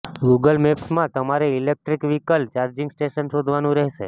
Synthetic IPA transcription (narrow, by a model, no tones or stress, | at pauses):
ɡuɡəlmepsmãt̪əmaɾeilek̚ʈɾikʋikəlt͡ʃaɾd͡ʒɪŋɡsʈeʃənʃod̪ʱʋanũɾɛɦʃe